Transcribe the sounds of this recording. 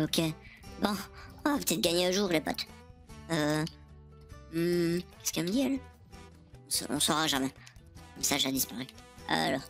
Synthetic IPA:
ɔkʲebɔ̃ɔ̃vapə̥t̪ɛt̪̚ɡaɲeəʒuːʁlepa̰t̪ø | m̩kʲɛ̥skɛlməd̪iɛl | ɔ̃sɔ̰ɔ̰̃sɔʁaʒamɛmɛsaʒad̪ispaʁya̰lɔːʁ

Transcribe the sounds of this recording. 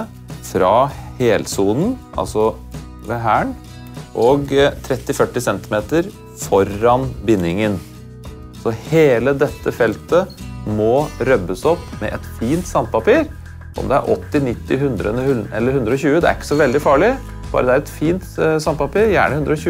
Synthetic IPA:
fɾɑheːlsuːln̩ʔɑ̰lsɔ | ʋeɦæːɳ | ʔɔɡt̪ʰɾɛt̪ːɪfœʈːɪsɛnt̪ɪmeːt̪əɾ | fɔɾɑnbɪnːɪŋən | sɔheːləd̪ɛt̪ːəfɛlt̪əmɔɾœbːəsɔpːmɛ̰ʔɛt̪fiːnt̪sɑnt̪̚pɑpiːɾ | ʔɔ̰md̪ɛæ̰ɾʔɔt̪ːɪnɪt̪ːɪɦʉnd̪ɾənəhʉlɛlːəɾhʉnd̪ɾəɔçʉːəd̪ɛæ̰ɾɪkːə̥sɔʋɛld̪ɪfɑːɭɪ | b̥ɑ̰ːɾəd̪ɛæɾɛt̪fiːnt̪sɑnd̪̚pɑpiːɾjæ̰ːɳəhʉnd̪ɾəɔɕʉː

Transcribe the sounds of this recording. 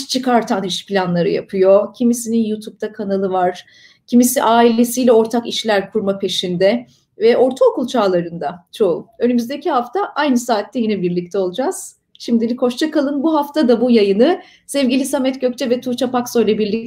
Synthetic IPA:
t͡ʃʰɯkaɾt̪ʰaniʃpilʲanlˠaɾɯ̰ja̰pʰɯjo̞cʰimisininjut̪ʰup̚t̪ʰakʰanalˠɯvaɾ̥ | cʰimisiʔaːilʲe̞sijlʲɛo̞ɾt̪ʰakiʃlʲæɾkʰuɾmapʰe̞ʃind̪ɛ | vɛʔo̞ɾt̪ʰaokulˠt͡ʃʰaːlˠaɾɯnd̪at͡ʃʰo̞ṵø̞nymyzd̪ecʰiɦaft̪ʰaʔajnɯsaːt̪ːɛjinɛbiɾlʲic̚t̪ʰɛo̞lˠud͡ʒaz̥ | ʃimd̪ilʲikho̞ʃt͡ʃʰakalˠɯnbuɦaft̪ʰad̪abujajɯnɯ | sɛvɟilʲisamɛt̪ɟøc̚t͡ʃʰɛvɛt̪ʰut͡ʃʰapakso̞jlʲɛbiɾlʲi

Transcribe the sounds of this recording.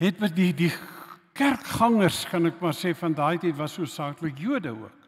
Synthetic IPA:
ɦɛt̚mədidikærkχɐŋərskɐnɛkmɑrseːfɐndɑːjtətvɐsuəsɑːkləkjuədəuək

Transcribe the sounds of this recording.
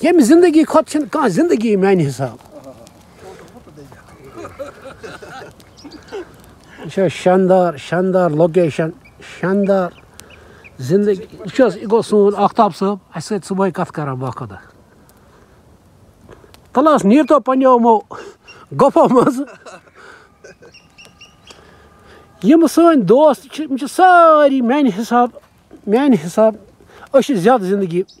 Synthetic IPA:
jemizind̪əɡiːkʰot̪̚t͡ʃʰinkãːzind̪əɡiːmaːniɦisaːb | t͡ʃʰoʃaːnd̪aːɾʃand̪aːɾlok̬eːʃɐn | ʃaːnd̪aːɾ | zind̪ɡiut͡ʃʰosiɡosũːnaːkʰt̪aːbsɨbɐsɨt͡sɨboːikɐt̪ʰkɐɾãːbaːkʰod̪ɐ | t̪ɐlaːsniːɾt̪opɐnʲowmo | ɡopʰomɐz | jimɨsəːnʲd̪oːst̪t͡ʃʰimit͡ʃʰisaːɾiːmʲanɦisaːb | mʲaːnɦisaːb | əʃizʲjaːd̪zind̪əɡiː

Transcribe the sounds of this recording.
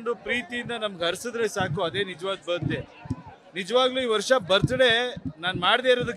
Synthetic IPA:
ɳɖupɾiːt̪ijind̪ɐnɐmɐɡɦɐɾsid̪ɾesaːkuɐd̪e̞ːnid͡ʒɐʋaːɡbɐɾut̪ːe̞ | nid͡ʒɐʋaːɡluːiːʋɐɾʂɐbɐɾt̪ɐɽe̞naːnmaːɽd̪eːɾoːd̪ukː

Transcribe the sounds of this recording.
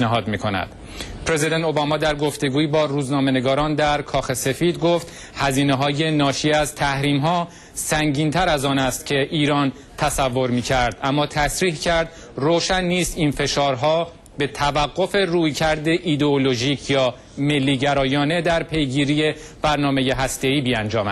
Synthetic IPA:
næɦɒːd̪miːkʰonæ̰d̪̥ | pʰɾezid̪ent̪ʰobɒːmɒːd̪æɾɡo̞ft̪e̞ɡuːiːbɒːɾuːznɒːme̞neɡɒːɾɒːnd̪æɾkʰɒːxe̞se̞fiːd̪ɡoft̪ | hæziːneɦɒːje̞nɒːʃiːæzt̪ʰæhɾiːmɦɒː | sæŋɟiːnt̪ʰæɾæzɒːnæst̪cʰe̞ʔiːɾɒːn | t̪ʰæsævːo̞ɾmiːcʰæɾd̪ʔæmːɒːt̪ʰæsɾiːhcʰæɾd̪ | roːʃænːiːst̪infe̞ʃɒːɾɦɒː | be̞t̪ʰævæɣːo̞fe̞ruːjcʰæɾd̪e̞ʔid̪eolo̞ʒiːcʰjɒː | me̞lːiːɟæɾɒːjɒːne̞d̪æɾpʰe̞jɡiːɾije̞ | b̥æɾnɒːme̞je̞ɦæst̪e̞iːbiːænd͡ʒɒːmæd̪

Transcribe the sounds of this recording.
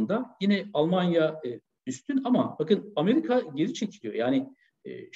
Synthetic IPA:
nd̪ajinɛalˠmanjaɯ | yst̪ʰynamab̥akɯname̞ɾikʰaɟe̞ɾit͡ʃʰe̞cʰilʲijo̞jaːnɪ | ɛ̰ː

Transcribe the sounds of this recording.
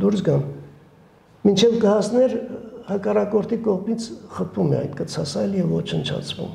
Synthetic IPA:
d̪uɾsɡɑn | mint͡ʃʰɛvɡəhɑsnɛɾhɑkɑrɑkɔɾt̪ʰikɔʁmit͡sʰχəpʰumɛ̰ɑ̰jt̪kət͡sʰɑsɑjljɛvːɔt͡ʃʰənt͡ʃʰɑ̰t͡sʰvṵm

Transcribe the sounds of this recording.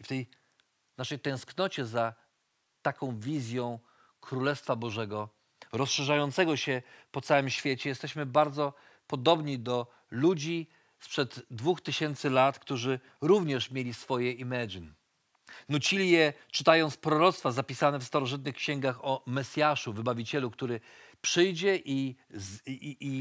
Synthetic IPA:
ift̪ɛj | naʂɛjt̪ɛ̃w̃sknɔt͡ɕɛza | t̪akɔ̃w̃vʲizʲjɔ̃w̃ | kɾulɛst̪fabɔʐɛɡɔ | ɾɔsʂɛʐajɔnt̪sɛɡɔɕɛpɔt̪sawɘmɕfʲjet͡ɕɛjɛst̪ɛɕmɘbaɾd̪zɔ | pɔd̪ɔbɲid̪ɔ | lud͡ʑi | spʂɛd̪ːvuxt̪ɘɕɛnt̪sɘlat̪kt̪uʐɘ | ɾuvɲɛʂmʲjelʲisfɔjɛʔimɛd͡ʑn | nut͡ɕilʲijɛt͡ʂɘt̪ajɔnt̪spɾɔɾɔt̪st̪fazapʲisanɛfst̪aɾɔʐɘt̪̬̚nɘxkɕɛŋɡaxɔmɛsʲjaʂuvɘbavʲit͡ɕɛlukt̪uɾɘ | pʂɘjd͡ʑɛʔi

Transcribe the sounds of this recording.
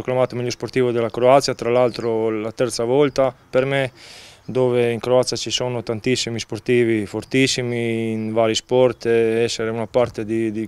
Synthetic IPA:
oklamaːt̪omiʎːosport̪iːvod̪elːakɾoat̪sjat̪ɾalalt̪ɾolat̪ɛrt̪savɔlt̪apermed̪oːveiŋkɾoat̪sjat͡ʃisonot̪ant̪isːimisport̪iːvifort̪isːimiːnvaːɾispɔrt̪ɛsːeɾeunapart̪ed̪id̪i

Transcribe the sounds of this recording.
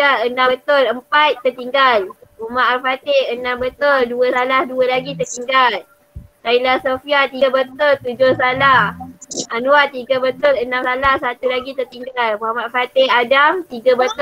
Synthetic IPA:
aənat̪oləmpat̪ːərt̪iŋɡalumaʔalfat̪ehənambət̪olduəsalahduəlaɡit̪ərt̪iŋɡal | kailahsofiat̪ibət̪ʊlt̪ud͡ʒʊhsalahʔanuat̪iɡəbət̪ʊlənamsalahsat̪ulaɡit̪ərt̪iŋɡalmuamaʔafat̪ɪhadamt̪iɡəbət̪

